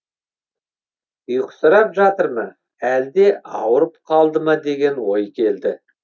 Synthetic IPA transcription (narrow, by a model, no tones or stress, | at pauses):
ʊjəqsəɾɑpʒɑt̪əɾmə | æld̪e̞ʔɑ̰wəɾəp̚qʰɑlˠd̪əmɑd̪e̞ɡʲe̞nwo̞jkʲʰe̞ld̪ɪ